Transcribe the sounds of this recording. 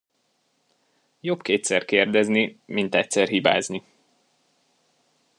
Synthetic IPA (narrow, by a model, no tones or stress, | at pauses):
jo̞bkeːt̪sɛrkeːrd̪ɛznimint̪ɛc̚sɛrɦiba̰ːzni